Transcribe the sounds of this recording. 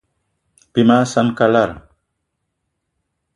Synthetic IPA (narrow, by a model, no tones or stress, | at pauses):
b̥imasankalaɾ